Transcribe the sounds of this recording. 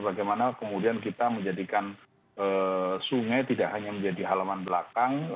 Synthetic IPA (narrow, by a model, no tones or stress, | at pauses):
baɡajmanakəmudiankit̪aməɲd͡ʒadikan | əsumɛt̪idaʔɦaɲaməɲd͡ʒadiɦalamanbəlakaŋ